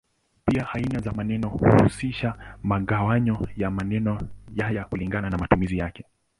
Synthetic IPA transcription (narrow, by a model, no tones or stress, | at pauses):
piahainazamanɛnɔhṵhusiʃamaɠawaɲɔjamanɛnɔjajakuliŋɡananamatumizijakɛ